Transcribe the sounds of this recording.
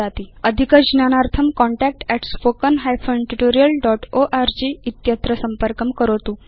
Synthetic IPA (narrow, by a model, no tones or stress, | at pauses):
at̪iːəd̪ʱikəd͡ʑnanaɾt̪ʰəmkɔɳʈæk̚ʈɛʈspokənɦajfənʈuʈoɾijəlɖɔʈoʔaɾd͡ʑiːit̪jət̪ɾəsəmpəɾkəmkəɾot̪uː